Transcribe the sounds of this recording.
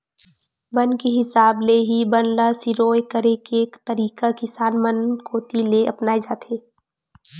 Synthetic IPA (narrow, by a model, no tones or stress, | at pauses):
bənkeɦɪsaːbleɦibənlasiɾoːekəɾekeːkt̪əɾiːkakɪsaːnmənkoːt̪ileʔɐpnaːed͡ʒaːt̪ʰeː